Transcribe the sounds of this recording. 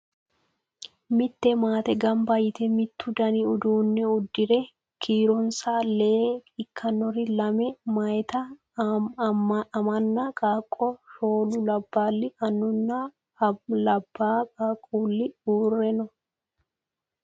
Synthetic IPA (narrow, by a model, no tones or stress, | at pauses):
mɪt̪ːɛmaːt̪ɛɡɐmbajɪt̪ɛmɪt̪ːʊd̪ɐniʊd̪uːnːɛʊd̪ːɪɾɛ | kʰiːɾɔnsaːleːɪkːɐnːɔɾɪlɐmɛmɐjt̪ɐ | ɐmɐnːakʼaːkʼːɔʃoːlʊlɐbːaːlːɪɐnːʊnːa | lɐbːaːkʼaːkʼuːlːɪuːrːɛnɔ